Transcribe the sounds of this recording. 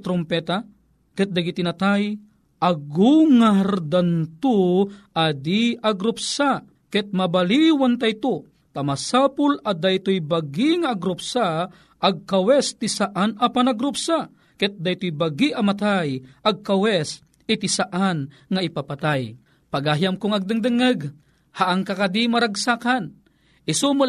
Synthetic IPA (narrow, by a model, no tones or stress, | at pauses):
t̪ɾompɛt̪a | kɛt̪̚d̪aɡit̪ɪnat̪aj | ʔaɡuŋaɾd̪ant̪oʔad̪iaɡɾupsa | kɛt̪̚mabaliwant̪ajt̪o | t̪amasapʊlad̪ajt̪ojbaɡiŋaːɡɾʊpsa | ʔːɡ̚kawɛst̪isaʔanapanaɡɾʊpsa | kɛt̪̚d̪ajt̪ojbaɡiʔamat̪ajʔaɡ̚kawɛs | ɪt̪isaʔanŋaɪpapat̪aj | paɡajamkʊŋɐɡ̚d̪ɨŋd̪ɨŋɨɡ | haʔaŋkakad̪imaɾaɡsakan | ʔɪsumʊl